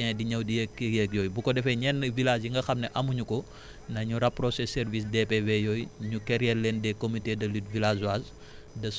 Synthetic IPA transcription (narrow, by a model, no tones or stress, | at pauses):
ɛdiɲɐwdijɛkːijɛk̚jɔjbukɔdɛfɛɲɛnvilaːd͡ʒiŋɡɐxɐmnɛʔɐmuɲukɔ | nɐɲuɾɐpːrɔsɛsɛrvis̬depevejɔjɲukɛɾjɛɾlɛndɛkomitedɐlitvilazwaz | dɐs